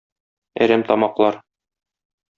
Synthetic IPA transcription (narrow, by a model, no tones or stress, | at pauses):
æ̰ɾæmt̪ɒmɑqlˠɑɾ